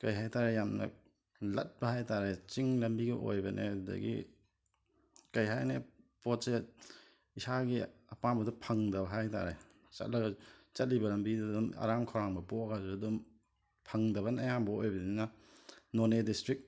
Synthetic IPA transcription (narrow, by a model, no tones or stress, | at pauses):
kɐjɦajtaɾejamnɐ̰ | lɐ̰t̚bɐhajtaɾet͡ʃiŋlɐmbiɡɐʔo̰jbɐnʔḛdɐ̰ɡḭ | kɐjɦajnepot̚se | isaɡiɐpambɐdupʰɐŋdɐbɐɦajta̰ɾḛ | t͡ʃɐ̰t̚lɐɡɐt͡ʃɐt̚libɐlɐmbidduma̰ɾamkʰowɾaŋbɐboɡazudum | pʰɐŋdɐβɐnɐjambɐojbɐnina | nonedistɾik̚